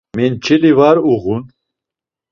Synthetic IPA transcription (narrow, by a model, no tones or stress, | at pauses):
mint͡ʃʰilivaɾuɣun